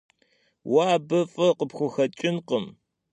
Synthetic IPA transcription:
waːbɐfʼɨqəpxʷʊxɐt͡ʃʼɪnqəm

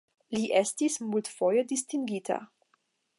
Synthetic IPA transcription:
liʔɛst̪ismult̪fɔjəd̪ist̪iŋɡiːt̪ʰa̰

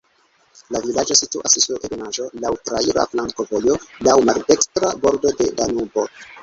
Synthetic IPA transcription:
lavilad͡ʒo̞situasisuʔeɡnaʒo̞lawtɾaiɾa̰flaŋko̞vo̞jo̞lawmalde̞kstɾabo̞ɾdo̞de̞danubo̞

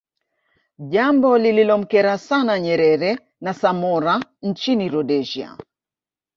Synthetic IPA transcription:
ʄambɔlililɔm̩kɛɾasanaɲɛɾɛɾɛ | nasamɔɾant͡ʃiniɾɔɗɛʒia̰

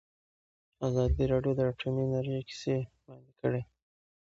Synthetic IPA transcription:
azɑd̪iɾɑɖjod̪əaʈʰominaɾjeki̥se | lɑnikəɽe

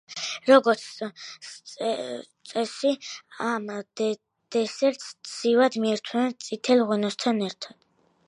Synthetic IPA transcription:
ɾɔɡɔɾt̪sʰ | t̪sʼɛsiamd̪ | d̪̥ɛsɛɾt̪ssiwad̪miɛɾt̪ʰwɛnɛt̪sʼit̪ʰɛlʁwɛnɔst̪ʰanɛɾt̪ʰad̪̥

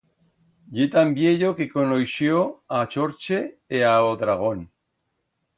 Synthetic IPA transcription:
ʎet̪ambjeʎokekonojʃjoat͡ʃoɾt͡ʃeːaoðɾaɣ̞on

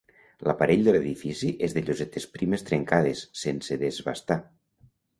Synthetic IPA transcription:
lapaɾeʎd̪eleðifisiʔezðeʎozet̪espɾimest̪ɾeŋkað̞esːenseðezβa̰st̪a

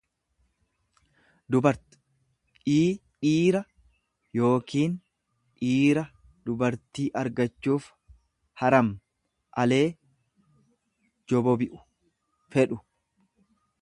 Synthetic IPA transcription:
d̪ʊbɐɾ | iː | iːɾɐ | jo̞ːkiːn | ʔiːɾɐ | d̪̥ʊbɐɾt̪iːʔɐɾɡɐt͡ʃːuːf | hɐɾɐm | ʔɐle̞ː | d͡ʒɔbɔbɪʔʊ̥ | fɛᶑʊ

